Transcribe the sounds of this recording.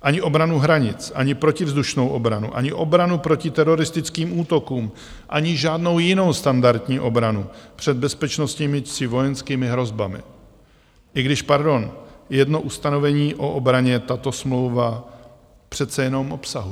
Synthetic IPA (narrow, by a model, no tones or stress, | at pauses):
ʔaɲɪʔo̞bɾanuɦɾaɲɪt͡sʔaɲɪpɾo̞cɪvzd̪uʃno̞wʔobɾanṵʔa̰ɲɪʔo̞bɾanupɾo̞cɪt̪ɛɾo̞ɾɪst̪ɪt͡skiːmʔuːt̪o̞kuːm | ʔaɲɪʒaːdno̞wjɪno̞wst̪andaɾt̪ɲiːʔo̞bɾanupr̝̥ɛd̪̚bɛspɛt͡ʃno̞st̪ɲimɪsɪvo̞jɛnskiːmɪɦɾo̞zbamɪ̰ | ʔɪɡdɪʃpaɾdo̞njɛdno̞ʔust̪ano̞vɛɲiːʔo̞ʔobɾaɲɛt̪at̪o̞smlo̞wva | pr̝̥ɛt̪t͡sɛjɛno̞mʔo̞psaɦu